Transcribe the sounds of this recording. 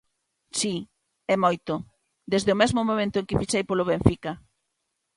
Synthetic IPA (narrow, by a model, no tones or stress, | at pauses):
si | ɛmojt̪o | d̪ezðeʊmezmʊmõmẽnt̪ʊeŋkɪfiʃejpolʊβeɱfika